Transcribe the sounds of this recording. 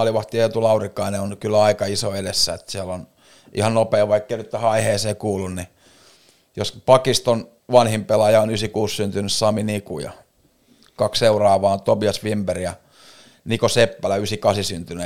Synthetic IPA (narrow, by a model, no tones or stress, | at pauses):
ɑliʋɑht̪iot̪ulɑurikːɑineonkylːæɑikɑisoedesːæ̰et̪siælon | ʔḭhɑnnopeːʋɑikːeinyt̪t̪æhɑiheːseːkuːlːunni | jospɑkist̪on | ʋɑnhimpelɑjɑonysikuːssynt̪ynyssɑminikṵjɑ̰ | kɑksseurɑːʋɑːont̪obiɑsʋimberjɑ | nikosepːælæysikɑsisynt̪yne